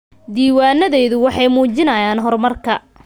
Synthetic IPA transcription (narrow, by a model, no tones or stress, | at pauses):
d̪iːwaːnɐðɛjðʊwɑħɑjmuːt͡ʃɪnɐjaːnɦɔrmɐrkʰɐ